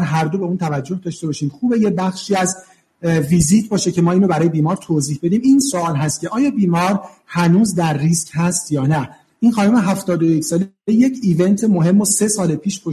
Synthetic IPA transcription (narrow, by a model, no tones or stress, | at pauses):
ɾɦæɾd̪o̞beuːnt̪ʰævæd͡ʒːo̞hd̪ɒːʃt̪ebɒʃiːmxuːbe̞jebæxʃiːæz | viziːt̪ʰbɒːʃecʰe̞mɒːiːnɾobæɾɒːje̞biːmɒːɾt̪ʰoziːhbe̞d̪iːmiːnsoɒːlɦæst̪̚cʰe̞ʔɒːjɒːbiːmɒːɾ | hænuːzd̪æɾːischæst̪jɒːnæ | ʔiːnxɒːnomeɦæft̪ɒːd̪ojecsɒːl | eje̞cʰiːve̞nt̪ʰemoɦe̞mːose̞sɒːlepʰiːʃpʰo